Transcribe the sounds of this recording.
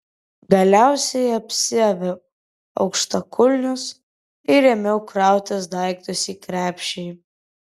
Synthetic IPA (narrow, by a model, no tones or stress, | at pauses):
ɡɐlʲæˑʊsʲɛɪɐpʲsʲɪɛʋʲɛ | ɐ̰ʊkʃt̪ɐkʰʊlʲnʲʊs | ɪɾʲɛmʲɛʊkɾɑˑʊt̪ʲɐs̬d̪ɑɪk̚t̪ʊsʲiːkɾʲæːpʲʃʲɛɪ